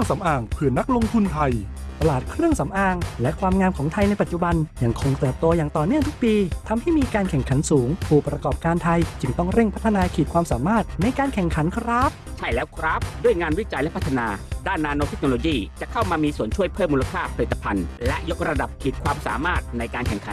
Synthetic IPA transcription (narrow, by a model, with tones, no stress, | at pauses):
ɯ˥˩ŋsa˩˦mʔaː˨˩ŋpʰɯ˧˩ɐna˦˥k̚lo˧ŋt̪ʰu˧nt̪ʰa˧j | t̪a˧laː˨˩t̪̚kʰɾɯ˥˩əŋsa˩˦mʔaː˧˩ŋlɛ˦˥ʔkʰwaː˧mŋaː˧mkʰɔː˩˦ŋt̪ʰa˧jna˧jpa˨˩t̪̚t͡ɕu˨˩ba˧nja˧˩ŋkʰo˧ŋt̪ɤː˨˩p̚t̪o˧jaː˨˩ŋt̪ɔː˨˩nɯ˥˩əŋt̪u˦˥k̚piː˧t̪ʰa˧mha˥˩jmiː˧kaː˧nkʰɛ˨˩ŋkʰa˩˦nsuː˩˦ŋpʰuː˥˩pɾa˧kɔː˨˩p̚kaː˧nt̪ʰa˧jt͡ɕɯ˧ŋt̪ɔ˥˩ŋɾe˥˩ŋpʰa˦˥t̪ʰːa˧naː˧kʰiː˨˩t̪̚kʰwaː˧msaː˩˦maː˥˩t̪̚na˧jkaː˧nkʰɛ˨˩ŋkʰa˩˦nkʰɾa˦˥p̚t͡ɕʰa˥˩jlɛː˦˥wkʰɾa˦˥p̚du˥˩əjŋaː˧nwi˦˥t͡ɕa˧jlɛ˦˥pʰa˦˥t̪ʰːa˧naː˧daː˥˩nːaː˧noː˧t̪ʰe˦˥k̚no˧loː˧jiː˥˩t͡ɕa˨˩kʰa˥˩wmaː˧miː˧su˨˩ənt͡ɕʰu˥˩əjpʰɤː˥˩mːu˧la˧kʰaː˥˩pʰa˧i˨˩t̪ːa˧pʰa˧nlɛ˦˥ʔjo˦˥k̚ɾa˧da˨˩p̚kʰiː˨˩t̪̚kʰwaː˧msa̰ː˨˩˦maː˥˩t̪̚na˧jkaː˧nkʰɛ˨˩ŋkʰa˨˦